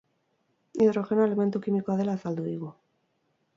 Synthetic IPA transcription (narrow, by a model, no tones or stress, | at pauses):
iðɾoxenoelement̪ukimikoaðelaθald̪uiɣo